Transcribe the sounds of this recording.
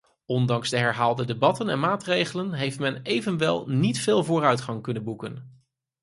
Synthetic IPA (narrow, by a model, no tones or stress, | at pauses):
ɔndɑŋzdəɦɛɹɦaːlˠdədebɑtənɛ̰nmaːtrejχələnɦejftmɛnejvənʋɛ̰lˠnitfɪːlˠvʊːrœɥtχɑŋkɵnənbukən